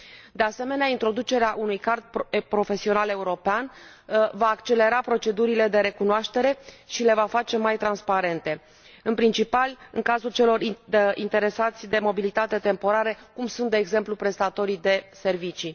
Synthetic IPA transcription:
d̪e̞ase̞me̞neaint̪ɾo̞d̪ut͡ʃe̞ɾeaʔunujkart̪̚ppɾo̞fe̞sionale̞uɾo̞pean | vaːkt͡ʃe̞le̞ɾapɾo̞t͡ʃe̞d̪uɾile̞d̪e̞ɾe̞kunoaʃt̪e̞ɾe̞ʃile̞vafat͡ʃe̞majt̪ɾanspaɾe̞nt̪e̞ | ɨnpɾint͡ʃipalɨŋkazult͡ʃe̞lo̞ɾḭnt̪e̞ɾe̞sat̪sʲd̪e̞mo̞bilit̪at̪e̞t̪e̞mpo̞ɾaɾəkumsunt̪̚d̪eːɡze̞mplupɾe̞st̪at̪o̞ɾid̪e̞se̞rvit͡ʃi

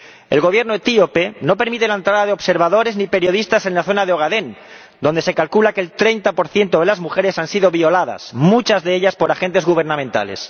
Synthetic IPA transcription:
e̞̰lɣo̞β̞jeɾnoet̪iope̞no̞peɾmit̪e̞laent̪ɾaðaðeo̞βse̞ɾβaðo̞ɾe̞znipe̞ɾjoðist̪ase̞nlaθo̞nað̞eoɣaðe̞n | d̪o̞nd̪e̞se̞kalkulakeːlt̪ɾe̞jnt̪apo̞ɾθje̞nt̪oðelazmuxe̞ɾe̞sansiðo̞βio̞laða̰smut͡ʃazðe̞eʎaspo̞ɾaxe̞nt̪e̞zɣuβ̞e̞ɾnãmẽnt̪a̰le̞̰s

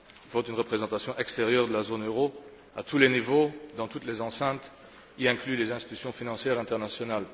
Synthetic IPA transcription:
ivot̪ynʁəpχezɑ̃t̪asjɔ̃ʔɛkst̪eʁjœʁd̪əlazonøʁo | at̪ulenivod̪ɑ̃t̪ut̪lezɑ̃sɛ̃t̪ | iɛ̃klylezɛ̃st̪i̥t̪y̥sjɔ̃finɑ̃sjɛːʁɛ̃t̪ɛʁnasjɔnal

